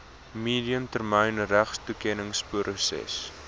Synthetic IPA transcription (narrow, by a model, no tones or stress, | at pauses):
miːdiəmtərməjnræχstukɛnəŋspuɾʔusɛ̰s